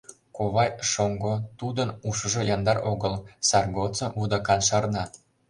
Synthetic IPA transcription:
koβɑjʃoŋɡot̪ud̪ənuʃə̆ʒɤ̆jɑnd̪ɑroɣəlsɑrɡot͡sɤvud̪ɑkɑnʃɑrnɑt̪

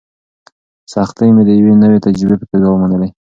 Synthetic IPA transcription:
sɑxt̪əjmed̪əjawenəwet̪ad͡ʒɾɪbepəkeɡawəmanəle

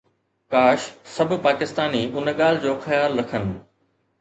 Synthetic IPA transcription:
kaːʃsɐbʱʊpaːkɪst̪aːniʔʊnəɠaːlɪd͡ʑoːxɐjaːlɾɐkʰənɪ̆

